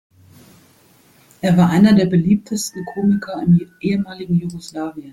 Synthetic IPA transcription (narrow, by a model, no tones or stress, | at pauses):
ʔeːɐvaːɐʔaɪnɐdeːɐbəliːp̚tʰəstn̩kʰoːmɪkʰɐɪmʔeːəmaːlɪɡŋ̩juɡoslaːviən